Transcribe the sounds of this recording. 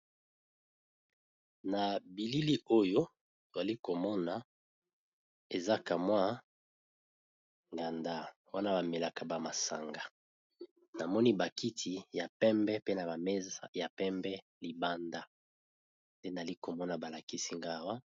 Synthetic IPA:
na˨bi˨li˦li˦o˦jo˦ | to˨za˨li˦ko˨mɔ˦na˨ | e˨za˦ka˨mwa˦ | ŋɡa˨nda˦ | wa˦na˦ba˨me˨la˨ka˨ba˨ma˨sa̰˨ŋɡa˨ | na˨mɔ˦ni˦ba˨ki˦tʰi˨ja˨pɛ˦mbɛ˦pe˦na˨ba˨mɛ˦za˦ja˨pɛ˦mbɛ˦ | li˨ba˦nda˨ | nde˦na˨li˦ko˨mɔ˦na˨ba˨la˨ki˦si˦ŋɡa˦˨wa˦

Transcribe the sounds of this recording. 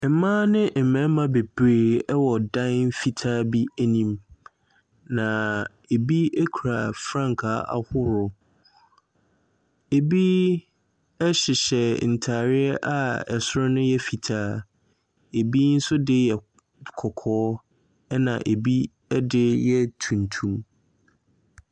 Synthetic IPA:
m̩˨mã˦nɪ̃˦m̩˨mɛ̃˨˦mã˨be˨b̥ɾeː˦˨ɛ˦wɔ˨dã˦nfi˨tʰaː˦bi˦æ˦nĩ˦m | nã˨ | e˨bi˦e˦kʰu˨ɾa˨fɾã˦ŋkʰa˨˦ʔa̰˨hʊ˦ɾʊ˨ | e˨bi˦ | ɛ˦ɕɪ˨ɕɛ˨n̩˨tʰaː˨ɾɪ˦ɛ˦ʔa˨ɛ̰˨sʊ˦ɾʊ˦nʊ̃˦jɛ˦fi˨tʰaː˦ | e˨bi˦n̩˦sʊ˦dɪ˦jɛ˨ | kʰɔ˨kʰɔː˦ | ɛ˦nã̰˨ʔe˨bi˦ | ɛ˦dɪ˦jɛ˦tʰũ˨ntʰũ˦m

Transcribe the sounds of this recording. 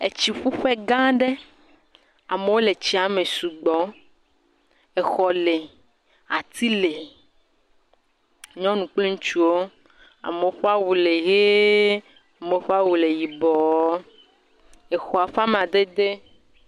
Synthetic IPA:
e˨t͡ɕi˨ɸu˦ɸɛ˦ɡã˦ɖe˦ | a˨me˨wo˦le˨t͡ɕi˨a˨me˨su˨ɡ͡bɔ˨˦ | e˨xɔ˨le˨ | a˨t̪i˦le˨ | ɲɔ̃˦nũ˨k͡ple˦ŋũ˦t͡ʃu˦wo˦ | a̰˨me˨wo˦ɸa˦wu˨le˨ɣe˦ | a˨me˨˦ɸa˦wu˨le˨ji˨bɔ˨˦ | e˨xɔ˨a˨ɸa˦mẽ˨a˨d̪e˦d̪e˦

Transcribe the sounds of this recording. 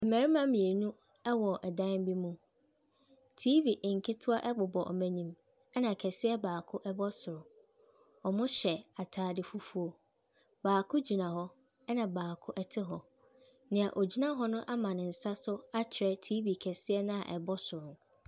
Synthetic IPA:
m̩˨mæ̃˨ɾi˦mã˦mĩ˨e˨nũ˦ | ɛ˦wɔ˨ɛ˨dã˦m˦bi˦mũ˦ | tʰi˦vi˨ʔŋ̩˨kʰɪ˦tʰʊ˦a˦ʔɛ˦ɡ͡bʊ˨bɔ˨ʔɔ̰˨mæ̃˨ɲĩ˦m | ɛ˦nã˨kʰɛ˨sɪ˦ɛ˦baː˨kʰʊ˦ʔɛ˦bɔ˦sʊ˨ɾʊ˨ | ɔ˨mʊ̃˦ɕɛ˨a˨tʰaː˨dɪ˨fu˦fu˦o˦ | b̥aː˨kʰʊ̃˦d͡ʑi˨nã˨hɔ˦ | ɛ˦nã˨baː˨kʰʊ˦ʔɛ˦tʰɪ˦ɦɔ˨ | nɪ̃˨a˨ʔo˨d͡ʑi˦nã˦ɦɔ˦nʊ̃˦ʔa˦mã˨nɪ̃˨n̩˨sa˦sʊ˦a˦t͡ɕʰɪ˨ɾɛ˦tʰiː˦bi˨kʰɛ˨sɪ˦ɛ˦nã˦a̰˨ʔɛ̰˨bɔ˦sʊ˨ɾʊ̃˨n

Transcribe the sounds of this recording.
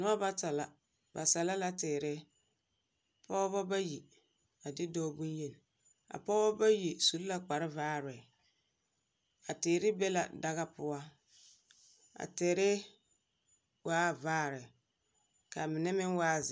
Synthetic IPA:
nʊ˦a˦ba˦ta˨la˨ | ba˨sa˨la˦la˦tɛː˨ɾɪ˦ | pɔ˦bɔ˦ba˦ji˨ | a˨dɪ˦dɔː˦bu˦n˦je˦˨n˨ | a̰˨pɔ˦bɔ˦ba˦ji˨su˨lla˦k͡pa˨ɾɪ˦vaː˦ɾɪ˨ | a˨teː˨ɾɪ˦bɛ˦la̰˨da˦ɣa˦pʊ˦a˦ | a̰˨te˨ɾe˦ | waː˦vaː˦˨ɾɪ˨ | ka˨mɪ˨nɛ˦mɪ˦n˦waː˦˨z

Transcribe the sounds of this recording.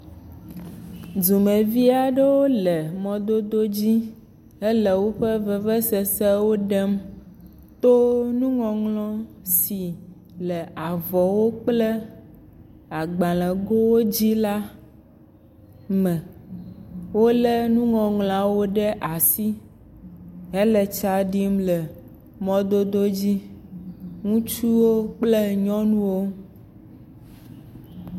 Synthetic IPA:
zu˨mɛ̃˨vi˦a˨ɖɛ˦wo˦lɛ˨mɔ̃˨d̪o˦d̪o˦d͡ʑi˦ | ɛ˦lɛ˨wo˦ɸɛ˦vɛ˨vɛ˦sɛ˨sɛ˦wo˦ɖɛ˦m | t̪o˦nũ˦ŋɔ̃˨ŋlɔ̃˦si˨ | lɛ˨a˨vɔ˨wo˦k͡plɛ˦ | a˨ɡ͡bã˨lɛ̃˨ɡo˦wo˦d͡ʑi˦la˦ | mɛ̃˨ | wo˦le˦nũ˦ŋɔ̃˨ŋl̃ã˨wo˦ɖɛ˦ʔa˨si˦ | ɛ˦lɛ˨t͡ʃa˦ɖi˦m˦lɛ˨ | mɔ̃˦d̪o˦d̪o˦d͡ʑi˦ | ŋũ˦t͡ʃu˦wo˦k͡plɛ˦ɲɔ̃˦nũ˦wo˦

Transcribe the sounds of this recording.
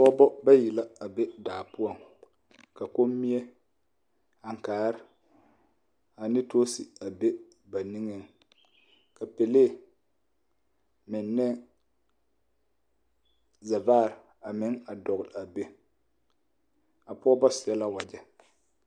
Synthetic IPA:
pɔ˦bɔ˦ba˦ji˨la˦a˨be˦daː˨pʊ˦ɔ˨ŋ | ka˨ko˦mː˦i˦ɛ˦ | a˨ŋ˨kaː˨˦ɾɪ˦ | a˨nɪ˦to˦si˨a˨be˦ | ba˨ni˦ŋɛ˦ŋ | ka˨pe˨le˦˨ | mɪ˨nːɛ˦ | za˨vaː˦˨ɾ | a˨mɪ˨˦ŋa˨dɔ˨ɣʊ˨la˨be˦ | a˨pʊ˦ɔ˦bɔ˦sɪ˨ɛ˦la˦wa˨d͡ʒɛ˦

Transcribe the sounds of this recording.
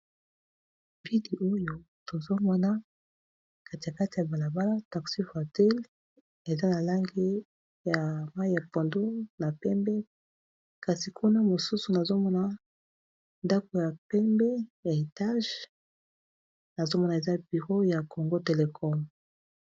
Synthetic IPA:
vi˦di˨ʔo˦jo˨ | to˨zo˦mɔ˦na˦ | ka˦ti˨ja˨ka˦ti˨ja˨ba˨la˨ba˦la˦ta˨ksi˦fa˨tɛ˦l | e˨za˦na˨la˦ŋɡe˦ | ja˨ma˦i˦ja˨po˨ndo˦na˨pɛ˦mbɛ˦ | ka˨si˨kʰu˦na˦mo˨su˦su˨na˨zo˦mɔ˦na˦ | nda˦ko˨ja˨pɛ˦mbɛ˦ja˨e˨ta˦ʒ | na˨zo˦mɔ˦na˨e˨za˦bi˨ʁo˦ja˨kʰo˨ŋɡo˦te˨le˨kʰɔ˦m

